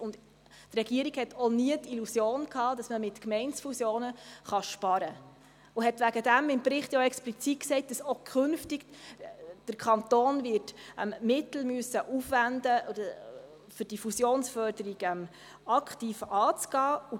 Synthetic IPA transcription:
ʊnd | trɛɡiəɾiɡhɛtʰɔniətilusjoːnkhɑːd̥ɑsməmɪtkmɛɪnsfusjoːnəχɑʃpɑɾə | ʊɦɛtʋæɡədæmɪmpɾɪχtjoɛksplit͡sit̚ksɛɪt̚d̥ɑsokʰχʏnftiɡ | d̥əɾkʰɑnt̪oːnvɪːrtʔɛ̰mmɪtl̩myəsəʔufvændə | fʏɾd̥ifusjoːnsfœɾd̥əɾiɡ̥ɛm | ɑkχtiːfɑːt͡sɡ̥ɑːu

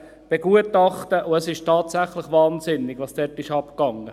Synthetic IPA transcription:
b̥eɡ̥uətɑχtəʔʊəsɪʃtʰɑːtsæχlɪχʋɑːnzɪnɪɡʋɑːsd̥ɛtɪʃɑpkɑŋə

